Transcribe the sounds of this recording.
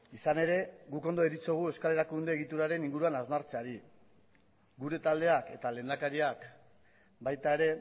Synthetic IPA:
isane̞ɾe̞ɣuko̞nd̪o̞eɾit͡so̞ɣ̞ue̞skale̞ɾakund̪e̞ːɣ̞it̪uɾaɾe̞niŋɡuɾuanazmaɾt͡seaɾi | ɡuɾe̞t̪ald̪e̞ake̞t̪ale̞ːnd̪akaɾiak | bajt̪ae̞ɾe̞

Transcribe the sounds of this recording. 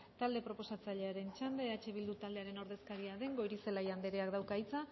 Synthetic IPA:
t̪ald̪e̞pɾo̞po̞sat͡saʎe̞aɾe̞nt͡ʃand̪e̞at͡ʃe̞βild̪ut̪ald̪e̞aɾe̞no̞ɾðe̞skaɾiaðe̞ŋɡo̞jɾise̞lajand̪e̞ɾeakd̪awkajt͡sa

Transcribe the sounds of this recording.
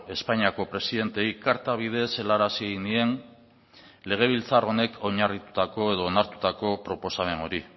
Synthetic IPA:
e̞spaɲiako̞pɾe̞siðe̞nt̪e̞ikaɾt̪aβ̞ið̞e̞se̞laɾasieɣinie̞n | le̞ɣ̞e̞β̞ilt͡saro̞ne̞kʰo̞ɲarit̪u̥t̪ako̞e̞ð̞o̞ːnaɾt̪u̥t̪ako̞pɾo̞po̞same̞no̞ɾi

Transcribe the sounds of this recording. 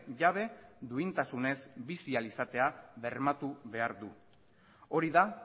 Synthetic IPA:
ʝaβ̞e̞d̪uint̪asune̞zbisialisat̪e̞aβe̞ɾmat̪uβe̞aɾðu | o̞ɾiða

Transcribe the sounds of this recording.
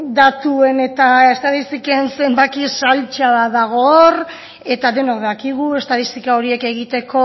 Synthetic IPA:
d̪at̪ue̞ne̞t̪aest̪aðist̪ikensembak̪isalt͡ʃaðaðaɣ̞o̞r | e̞t̪aðe̞nokðakiɣ̞ue̞st̪aðist̪ikao̞ɾie̞ke̞ɣit̪e̞ko̞

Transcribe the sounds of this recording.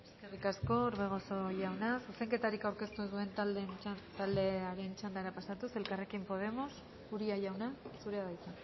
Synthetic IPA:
e̞ske̞rikasko̞ɾβe̞ɣ̞o̞so̞ʝawnasuse̞ŋke̞t̪aɾikawɾke̞st̪uezðue̞nt̪lent̪ald̪e̞aɾe̞nt͡ʃand̪aeɾapasat̪use̞lkare̞kimpo̞ð̞e̞mo̞s | uɾiaʝawnasuɾe̞aðajt̪a

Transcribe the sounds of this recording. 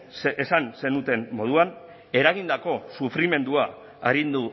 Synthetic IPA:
esanse̞nut̪e̞nmːo̞ð̞uan | e̞ɾaɣ̞ind̪ako̞sufɾime̞nd̪ua | a̰ɾind̪u

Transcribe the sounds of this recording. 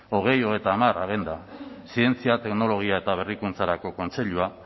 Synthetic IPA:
o̞ɣ̞e̞jo̞ɣe̞t̪aːmaɾaɣ̞end̪asie̞nt͡siat̪e̞kno̞lo̞ɣ̞iaet̪aβ̞e̞rikunt͡saɾako̞ko̞nt͡se̞ʎua

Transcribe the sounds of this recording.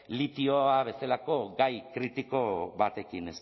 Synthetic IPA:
lit̪ioaβ̞e̞salako̞ɡajkɾit̪iko̞βat̪e̞kine̞s

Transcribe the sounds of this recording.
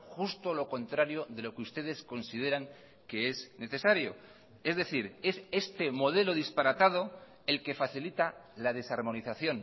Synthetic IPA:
xust̪o̞lo̞ko̞nt̪ɾaɾjo̞ðe̞lo̞keust̪e̞ð̞e̞sko̞nsið̞e̞ɾaŋ | ke̞esne̞θe̞saɾjo̞̰ | e̞zðe̞θiɾe̞se̞st̪e̞mo̞ð̞e̞lo̞ðispaɾat̪að̞o̞ | e̞lke̞faθilit̪alaðe̞saɾmo̞niθaθjo̞n

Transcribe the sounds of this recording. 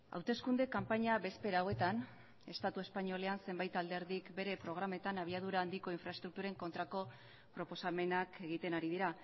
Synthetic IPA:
a̰wt̪e̞skund̪e̞kampaɲaβe̞spe̞ɾaːwe̞t̪an | e̞st̪at̪ue̞spaɲio̞le̞anse̞mbajt̪ald̪e̞ɾðikbe̞ɾe̞pɾo̞ɣ̞ɾame̞t̪anaβ̞iað̞uɾaːnd̪iko̞iɱfɾaest̪ɾuk̚t̪uɾaeŋko̞nt̪ɾako̞ | pɾo̞po̞same̞nakʰe̞ɣit̪e̞naɾiðiɾa

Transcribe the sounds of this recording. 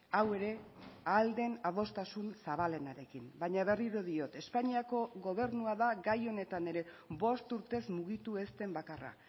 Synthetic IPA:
awe̞ɾe̞ald̪e̞nað̞o̞st̪asunsaβ̞ale̞naɾe̞kimbajɲaβ̞e̞riɾoð̞io̞t̪e̞spaɲiako̞ɣo̞β̞e̞ɾnuaðaɡajo̞ne̞t̪ane̞ɾe̞βo̞st̪uɾt̪e̞zmuɣ̞it̪ue̞st̪e̞mbakara̰

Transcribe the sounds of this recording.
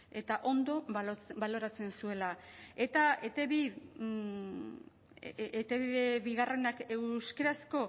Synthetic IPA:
e̞t̪aʔo̞nd̪o̞balo̞ɾat͡se̞nsue̞lae̞t̪aet̪eβi | et̪eβiðeβiɣare̞nake̞wskeɾasko̞

